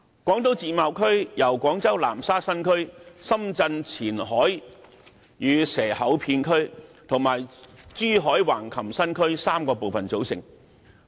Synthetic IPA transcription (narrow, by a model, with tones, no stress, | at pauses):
kʷɔː˨˥ŋt̪o˨˥wt͡siː˧maː˨˧wkʰɵ˥ɥjɐ˨˩wkʷɔː˨˥ŋt͡sɐ˥wlaː˨˩msaː˥sɐ˥nkʰɵ˥ɥsɐ˥mt͡sɐ˧nt͡sʰiː˨˩nɦɔː˨˥j | jyː˨˧sɛː˨˩hɐ˨˥wpʰiː˧nkʰɵ˥ɥt̪ʰʊ˨˩ŋmaː˨˩jt͡ʃyː˥ɦɔː˨˥jwaː˨˩nkʰɐ˨˩msɐ˥nkʰɵ˥ɥsaː˥mkɔː˧po˨wfɐ˨nt͡so˨˥wsɪ̰˨˩ŋ